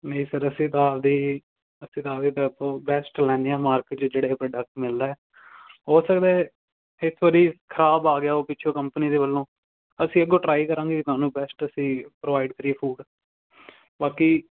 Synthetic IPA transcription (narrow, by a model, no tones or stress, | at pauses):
nəĩːsəɾəsĩːt̪aːd̪iː | əsĩːt̪aːd̪iːt̪ãpõːbɛːsʈlɛ̃ːnd̪eãːmaːɾkeʈt͡ʃd͡ʒeːɽaːeːpɾoːɖək̚ʈmɪld̪aːɛː | ɦoːsəkd̪ɛː | ɪsʋəɾiːkʰəɾaːbaːɡɪjaːoːpɪːt͡ʃʰõːkəmpəniːd̪eːbəlːõː | əsĩːəɡoːʈɾaːikəɾãːŋɡiːkɪt̪ʊaːnũːbɛːsʈəsĩːpɾoʋaːiɖkəɾiːeːpʰuːɖ | baːkiː